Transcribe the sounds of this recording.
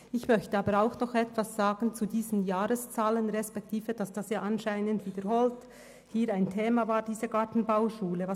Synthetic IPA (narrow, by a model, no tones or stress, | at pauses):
ɪçmœçtəaːbəɾaʊxnɔχɛtv̥asz̥aːɡ̥n̩t͡sudiːzən̩jaːɾəst͡saːlənʁɛspɛk̚tʰiːvəd̥asd̥asjaːʔɑnʃaɪnəndviːdəɾhoːlt | hiːɾaɪntʰeːmavaːɾdiːzəɡatn̩baʊʃuːləva